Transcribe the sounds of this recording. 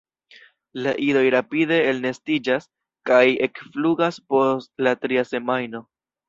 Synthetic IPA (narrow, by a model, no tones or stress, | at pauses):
laʔiɾo̞jɾapide̞ːlne̞stid͡ʒas | kaje̞kfluɡaspo̞sstlatɾiase̞majno̞